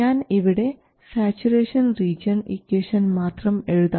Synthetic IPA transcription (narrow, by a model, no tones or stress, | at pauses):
aːniʋiɽe̞ | saːt͡ɕuɾeːʂɐnriːd͡ʑɐnikːeːʂɐnmaːt̪rɐme̞ɻuðɐ